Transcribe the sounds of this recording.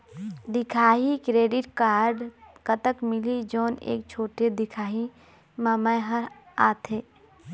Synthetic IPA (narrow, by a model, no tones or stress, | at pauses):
d̪ɪkʰaːɦikɾeːɖɪʈkaːɾɖkət̪əkmɪlid͡ʒoːnḛːk̚t͡ʃʰoːʈed̪ɪkʰaːɦi | maːmaeɦəɾaːt̪ʰeː